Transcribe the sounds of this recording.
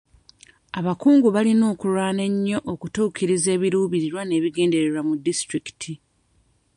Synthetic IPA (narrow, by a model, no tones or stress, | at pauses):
aβakuːŋɡuβalino̞ːkulaːne̞ɲːo̞ʔokutuːkiɾize̞ːβiɾuːβiɾiɾwane̞ːβiɡe̞ːnde̞ɾeɾamudːistɾiki̥tʰi